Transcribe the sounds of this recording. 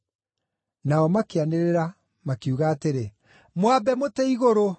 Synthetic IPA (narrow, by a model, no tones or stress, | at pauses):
naɔmakeaneɾeɾa | makiuɣaːteɾe | mwabɛmotɛiɣoɾo